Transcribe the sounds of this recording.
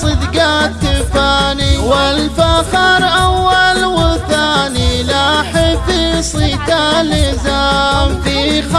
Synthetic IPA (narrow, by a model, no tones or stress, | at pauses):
sˤɨd̪ɡat̪ːɪfaːniwɪlfaxɪɾʔawːalwɪθaːnilaħɪtisˤit̪alɪzamfix